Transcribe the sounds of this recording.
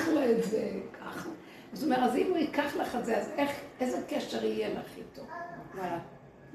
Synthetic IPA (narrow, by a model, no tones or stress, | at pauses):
χlaetzekʰaχa | azomeʁazimuikaχlaχezeazeχezekɛʃeʁijela̰χitovmaa